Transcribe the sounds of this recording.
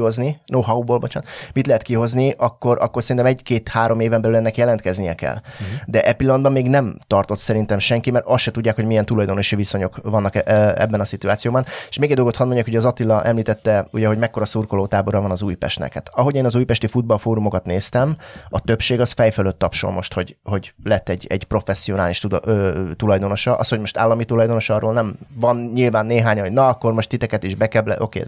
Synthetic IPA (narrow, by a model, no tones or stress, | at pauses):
ozninoːɦɒubolbot͡ʃaːnt̪mit̪lɛɦɛt̪kiɦo̞zniʔɒkːo̞ɾʔɒ̰kːorsɛɾint̪ɛmɛɟkeːt̪haːɾo̞meːvɛmbɛlylɛnːɛkjɛlɛnt̪kɛznijɛkɛ̰ld̪ɛʔɛpilːɒnd̪bɒmːeːɡnɛmt̪ɒrt̪o̞t̪sɛɾint̪ɛmʃɛŋkimɛɾɒsʃɛt̪udɟːaːkho̞ɟmijɛnt̪ulɒjd̪onoʃiviso̞ɲo̞kvɒnːɒkɛɛ̰bːɛnɒsit̪uaːt̪sijoːbɒne̥ʃmeːɡɛɟd̪olɡoɒnmo̞ɲɟːaːkhoɟɛɒzɒt̪ilːɒʔɛmliːt̪ɛt̪ːɛuɟɛɦo̞ɟmɛkːo̞ɾɒsuːrko̞loːt̪aːbo̞ɾɒvɒnɒzuːjpɛ̰ʃt̪nɛ̰khæ̰t̪ɒɦo̞ɟeːnɒzuːjpɛʃt̪ifud̪̚bɒlfoːɾumo̞kɒt̪neːst̪ɛmɒt̪øpʃeːɡɒsfɛjføløt̪ːɒpʃo̰mmo̞̰ʃt̪ho̞ɟho̞ɟlɛt̪ːɛɟːɛ̰ɟ̥pro̞fɛsːio̞naːliʃt̪ud̪øt̪ulɒjd̪o̞no̞ʃɒʔɒsho̞ɟmo̞ʃt̪a̰ːlːɒmit̪ulɒjd̪o̞noʃɒrːoːlnɛmvɒnɲilvaːnːeːɦaːɲɒnɦo̞ɟnɒɒkːo̞rmo̞ʃt̪it̪ɛkɛt̪iʒbɛkɛblɛ̰ʔo̞̰kḛː